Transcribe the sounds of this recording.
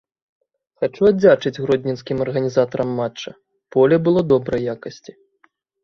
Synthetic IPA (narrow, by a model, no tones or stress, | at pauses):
xat͡ʂuad͡zʲat͡ʂɨd͡zʲɣɾɔd̪ʲnʲinskʲimɐrɣɐnʲizat̪ɐɾɐmːatt͡ʂːɐ | pɔlʲɛbɨlˠɔd̪ɔbɾɐjjakɐsʲt͡sʲi